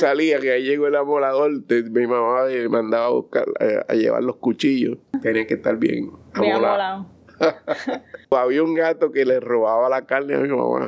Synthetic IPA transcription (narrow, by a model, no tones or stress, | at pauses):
saliakeaiʝe̞ɣoelamolaðolt̪emimãmaðemãnd̪aβaːβṵhka̰ɾa̰a̰je̞̰βa̰ɾlo̞hkut͡ʃiʝo̰st̪eniaket̪aɾbjḛŋamolala | aβiauŋɡat̪okelero̞βaβalakalnea̰mimã̰ma̰